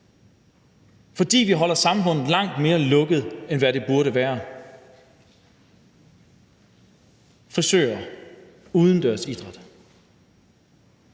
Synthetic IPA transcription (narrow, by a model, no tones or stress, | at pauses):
fɒ̽d̥ḭːʋiɦɒ̽l̰ɐsɑ̈mfɔ̽n̰ð̩ˠlɑ̈ŋ̰d̥me̝ːɐlɔ̽ɡ̥əð̞ˠenʋæɾe̝b̥uɐɾəʋæːɐ | fɒ̽sø̰ːɐ | uːðˠən̩d̥æɐsid̥ʁad̥